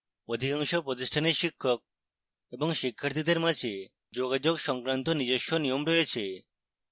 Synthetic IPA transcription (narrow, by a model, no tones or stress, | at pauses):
od̪ʱikaŋʃɔpɾɔt̪iʃʈʰaniɾʃikʰːɔk̚ | ebɔŋʃikʰːaɾt̪id̪eɾmat͡ʃʰe | d͡ʒoɡad͡ʒoɡʃɔŋkɾant̪ɔnid͡ʑeʃɔnijɔmɾɔet͡ʃʰe